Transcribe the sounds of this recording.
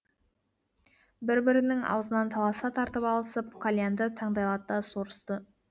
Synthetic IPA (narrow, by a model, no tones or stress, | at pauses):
bɪɾbɪɾɪnɪŋɑ̰wəzənɑnt̪ʰɑlˠɑsɑt̪ʰɑɾt̪əpɑlˠəsəp̚kʰolʲjand̪ət̪ʰɑɴd̪ɑjlˠɑt̪d̪ɑsoɾəst̪ə